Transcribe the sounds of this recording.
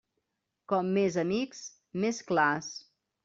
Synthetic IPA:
kɔmːezəmiks | mesklas

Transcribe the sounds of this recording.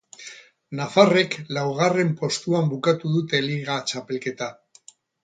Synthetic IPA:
nafare̞klawɣare̞mpo̞st̪uambukat̪uðut̪e̞liɣat͡ʃape̞lke̞t̪a

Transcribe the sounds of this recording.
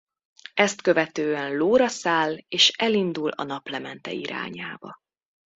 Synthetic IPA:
ɛst̪køvɛt̪øːɛnloːɾɒsaːleːʃɛlind̪ulɒ̰nɒplɛmɛnt̪ɛ̰iɾa̰ːɲa̰ːbɒ̰

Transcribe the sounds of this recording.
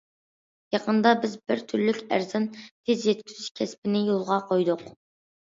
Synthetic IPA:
jɑqʰənd̪ɑbɪzbɪɾt̪ʰyɾlykʲæ̰ɾzɪnt̪ʰezjɛt̪̚kʲʰyzyʃkʲʰɛspɪnɪjolˠʁɑqʰojd̪ʊq

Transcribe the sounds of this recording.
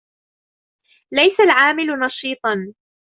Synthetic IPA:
lajsalʕaːmɪlʊnɑʃiːt̪ˤɑn

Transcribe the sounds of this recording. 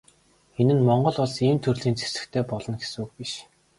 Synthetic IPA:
enɘ̆nmɔɴɢɞ̆ɮɔɮsiːmt̪ʰɵrɮiːnt͡sʰe̥sɘ̆kt̪ʰeːpɔɮɞ̆nɡesuːk̚piʃ

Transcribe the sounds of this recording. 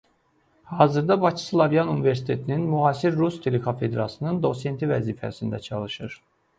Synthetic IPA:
hɑːzɯɾd̪ɑbɑt͡ʃʰi̥slˠɑvjɑnunive̞ɾsi̥t̪ʰe̞t̪ʰininmuɦɑːsiɾːust̪ʰe̞lekʰofe̞d̪ɾɑsɯnɯnd̪o̞se̞nt̪ʰivæziːfæ̰sind̪æt͡ʃʰɑlˠɯʃɯɾ

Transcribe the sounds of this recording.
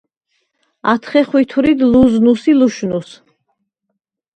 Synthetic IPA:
at̪ʰχɛχwit̪ʰuɾid̪luznusiluʃnus

